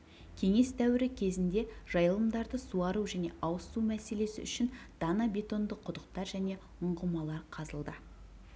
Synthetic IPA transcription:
kʲʰe̞ŋe̞st̪ʰæwɪɾɪkʲʰe̞zɪnd̪e̞ʒ̥ɑjəlˠəmd̪ɑɾd̪əsuɑɾuʒæne̞ʔɑwəsumæse̞le̞sɪ̰ʏʃɪnd̪̥ɑnɑbʲe̞t̪o̞nd̪əqʰʊd̪əq̚t̪ɑɾʒæne̞ | ʊɴʁəmɑlˠɑɾqʰɑzəlˠd̪ə

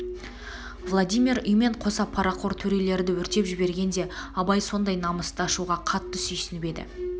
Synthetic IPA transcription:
vlˠad̪ijmʲiɾʏjme̞ɴqʰo̞sɑpʰɑɾɑqʰo̞ɾt̪ʰɵɾe̞le̞ɾɪd̪ɪwɵɾt̪e̞pʒɪbe̞ɾɡʲe̞nd̪e̞ɑbɑjso̞nd̪ɑjnɑməst̪əɑʃuʁɑqʰɑt̪ːəsʏjsɪnɪpe̞d̪ɪ̰

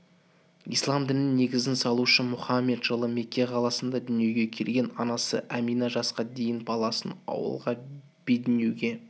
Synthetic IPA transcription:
ḭjslˠɑmd̪ɪnɪnnːe̞ɡʲɪzɪnsɑlˠuʃəmʊχɑmːe̞d̪ʒəlˠəme̞kʲːe̞qʰɑlˠɑsənd̪ɑd̪ʏnije̞wɡʲe̞kʲʰe̞lɡʲe̞nɑnɑsə̰ʔæmijnɑʒɑsqɑd̪e̞jɪnbɑlˠɑsənɑ̰wə̰lˠʁɑ | b̥ed̪ɪnewɡʲe̞

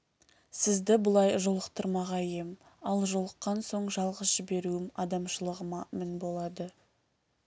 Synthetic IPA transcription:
sɪzd̪ɪbʊlˠɑjʒo̞lˠəqt̪əɾmɑʁɑjem | ɑlˠʒolˠəqːɑnso̞ɴʒɑlˠʁəsʒɪbe̞ɾuɪmɑd̪ɑmʃəlˠəʁəmɑmɪnbo̞lˠɑd̪ə

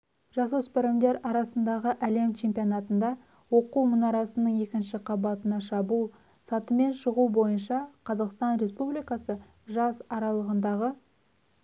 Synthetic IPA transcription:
ʒɑsospeɾemd̪e̞ɾɑɾɑsənd̪ɑʁəʔæle̞mt͡ʃʰe̞mpijonɑt̪ənd̪ɑ | wo̞quwmʊnɑɾɑsənəɴe̞kʲɪnʃɪqʰɑbɑt̪ənɑʃɑbulˠ | sɑt̪əme̞nʃəʁubo̞jənʃɑqʰɑzɑqst̪ɑnɾe̞spublijkɑsə | ʒɑsɑɾɑlˠəʁənd̪ɑʁə

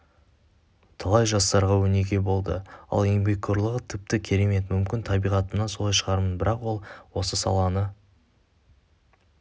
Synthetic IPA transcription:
t̪ʰɑlˠɑjʒɑst̪ɑɾʁɑwɵne̞ɡʲe̞bo̞lˠd̪ə̰ɑ̰lˠembekt̪ʲoɾlˠəʁət̪ʰɪp̚t̪ɪkʲʰe̞ɾe̞me̞t̪mʏmkʲɪnt̪ʰɑbijʁɑt̪əmnɑnso̞lˠɑjʃəʁɑɾmənbɪɾɑqwo̞lˠwo̞səsɑ̰lˠɑnə

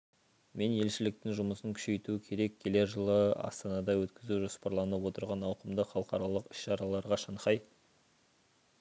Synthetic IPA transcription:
me̞nje̞lʃɪlɪk̚t̪ɪŋʒʊməsəŋkʲʰʏ̥ʃe̞jt̪uɪkʲʰe̞ɾe̞kʲʰe̞le̞ɾʒəlˠəɑ̰st̪ɑnɑd̪ɑwɵt̪kʲɪzuʒo̞spɑɾlˠɑnəwo̞t̪əɾʁɑnɑwqəmd̪əχɑlˠəqɑɾɑlˠəqɪ̥ʃʃɑɾɑlˠɑɾʁɑʃɑɴqɑj

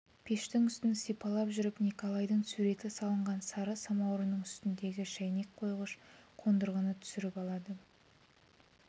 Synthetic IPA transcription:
pʰeʃt̪ɪŋʏst̪ɪnsijpɑlˠɑpʒʏɾɪpnikolˠɑjd̪əɴsuɾe̞t̪ɪsɑlˠəɴʁɑnsɑɾəsɑmɑwɾənəɴʏst̪ɪnd̪e̞ɡʲɪʃæjne̞k̚qʰo̞jʁəʃqʰo̞nd̪əɾʁənət̪ʰʏ̥sɪɾɪpɑlˠɑd̪ə

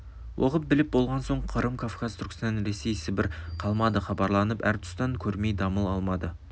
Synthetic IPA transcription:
wʔo̰qəp̚bɪlɪp̚bo̞lˠʁɑnso̞ɴqʰəɾəmkʰafkazt̪ʰʊɾɡɪst̪ɑnɾe̞se̞jsɪbɪɾqʰɑlˠmɑd̪əχɑbɑɾlˠɑnəpæɾt̪ʰʊ̥st̪ɑŋkʲʰɵɾme̞jd̪ɑməlˠɑlˠmɑd̪ə

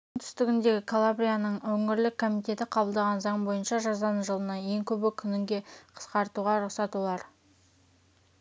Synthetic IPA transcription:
ŋt̪ʰʏ̥st̪ɪɡʲɪnd̪e̞ɡʲɪkʰalˠabɾʲijanəɴwɵŋɪɾlɪkʰːo̞mijt̪e̞t̪ɪqʰɑbəlˠd̪ɑʁɑnzɑɴbo̞jənʃɑʒɑzɑnʒəlˠənɑje̞ŋkʲʰɵbɪkʲʰʏnɪŋɡʲe̞qʰə̥sqɑɾt̪uʁɑɾʊqsɑt̪ulˠɑɾ

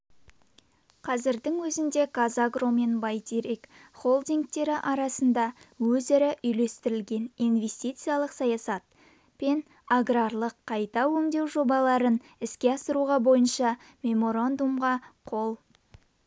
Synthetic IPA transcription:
qʰɑzɪɾd̪ɪŋwɵzɪnd̪e̞kazaɡro̞me̞nbɑjt̪ʰeɾijkχo̞lˠd̪iŋk̚t̪e̞ɾɪʔɑɾɑsənd̪ɑwɵzɪɾɪʔʏjle̞st̪ɪɾɪlɡʲe̞ninve̞st̪ijt̪sɨjalˠəqsɑjɑsɑt̪ | pe̞n | aɡrarlˠəqʰːɑjt̪ɑwɵŋd̪e̞wʒo̞bɑlˠɑɾən | ɪskʲe̞ɑsəɾuʁɑbo̞jənʃɑ | mʲe̞mo̞ɾand̪umʁɑqʰo̞lˠ

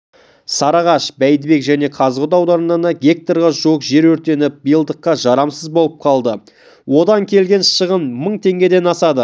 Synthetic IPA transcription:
sɑɾɑʁɑʃbæjd̪ɪbe̞kʒæne̞qʰɑzʁəd̪ɑwd̪ɑɾənɑnɑɡʲe̞k̚t̪oɾʁɑʒuwəqʒe̞ɾwɵɾt̪e̞nɪp̚bijəlˠd̪əqːɑʒɑɾɑmsəzbo̞lˠəp̚qʰɑlˠd̪ə | wo̞d̪ɑŋkʲʰe̞lɡʲe̞nʃəʁənməɴt̪ʰe̞ŋɡʲe̞d̪e̞nɑsɑd̪ə

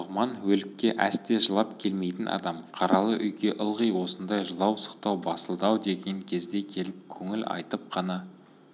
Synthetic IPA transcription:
ʁmɑnwɵlɪkʲːe̞ʔæ̰st̪e̞ʒəlˠɑpkʲʰe̞lme̞jt̪ɪnʔɑ̰d̪ɑmqʰɑɾɑlˠəʔʏjɡʲe̞ʔəlˠʁijwo̞sənd̪ɑjʒəlˠɑwsə̥qt̪ɑwbɑsəlˠd̪ɑwd̪e̞ɡʲe̞ŋkʲʰe̞zd̪e̞kʲʰe̞lɪp̚kʲʰɵŋɪlʔɑ̰jt̪əp̚qʰɑnɑ

